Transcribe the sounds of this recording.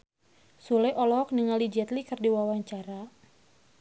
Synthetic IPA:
sulɛʔɔlɔk̚niŋalid͡ʒɛt̪likɨrdiwawaɲt͡ʃaɾa

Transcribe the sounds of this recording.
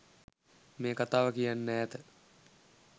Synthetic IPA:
meːkat̪aːʋəkijanːæːt̪ə

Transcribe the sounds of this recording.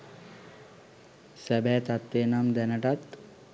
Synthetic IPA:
sæbɛːt̪at̪ːenamd̪ænəʈat̪

